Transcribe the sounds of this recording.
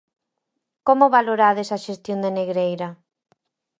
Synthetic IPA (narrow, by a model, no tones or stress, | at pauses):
komoβaloɾaðesaʃest̪jond̪eneɣɾejɾɐ